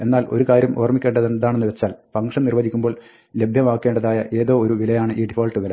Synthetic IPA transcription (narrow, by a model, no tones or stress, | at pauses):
e̞nːaːlʔo̞̰ɾukaːɾjɐmʔoːrmikʲːe̞ːɳɖɐðenðaːɳenːɨʋe̞t͡ɕːaːlpɐŋʂɐmnirʋɐðikʲːumbo̞ːɭ | le̞bʱjɐʋaːkːe̞ːɳɖɐðaːjɐʔe̞ːðo̞ːoɾuʋilɐjaːɳɨʔiːɖifoːlʈːɨʋɐlɐ